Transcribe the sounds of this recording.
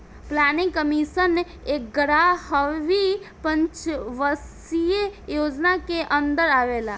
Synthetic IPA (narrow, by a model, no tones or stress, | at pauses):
plaːnɪŋɡkəmisən | ek̚ɡɾahəʋi | pə̃ɲt͡ʃʋəs | ijejoːd͡ʒnakeʔə̃nd̪əɾaʋela